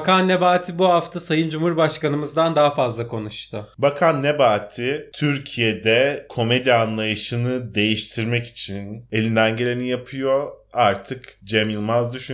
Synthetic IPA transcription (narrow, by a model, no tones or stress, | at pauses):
kanːe̞baːt̪ʰibuɦaft̪ʰasajɯnd͡ʒumhuɾbaʃkanɯmɯzd̪and̪aɦafazlˠakʰo̞nuʃt̪ʰʊbakʰanːebaːt̪ʰit̪ʰyɾcʰijed̪ɛkʰo̞med̪ianlˠajɯʃɯnɯd̪e̞jiʃt̪ʰiɾmɛci̥t͡ʃʰine̞lʲind̪ænɟe̞lʲe̞nijapʰɯjo̞aɾt̪ʰɯkd͡ʒemilʲˠmazd̪yʃy